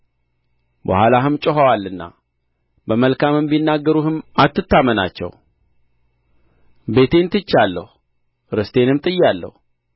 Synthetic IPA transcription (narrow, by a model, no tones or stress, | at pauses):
bə̰hʷwalaɦɨmt͡ʃʼɔɦawalːɨnːa̰ | bəməlkʰamɨmbinːaɡːəɾuhɨmat̪ːɨt̪ːaməna̰t͡ʃːɛ̰w | be̞t̪ʰe̞nt̪ɨt͡ʃːalːə̰hu | ɾɨst̪ʰe̞nɨmt̪ʼɨjːalːə̰h